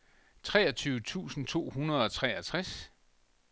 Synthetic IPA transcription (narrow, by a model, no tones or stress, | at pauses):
t͡sʰʁɛːɐt͡sʰyːʊət͡sʰṵːsn̩t͡sʰo̝̰ːhunɐð̞ˠɒ̽t͡sʰʁɛæt͡sʰʁas